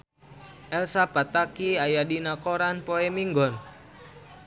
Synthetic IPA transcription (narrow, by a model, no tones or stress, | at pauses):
ʔɛlsapat̪akiajadinakoɾanpoɛmiŋɡɔn